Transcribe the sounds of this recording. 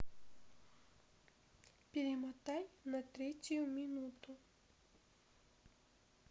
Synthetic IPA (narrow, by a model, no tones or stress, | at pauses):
pʲiɾɪmɔt̪ajnɐt̪ɾɛt͡sʲʊjʊmʲinut̪ʊ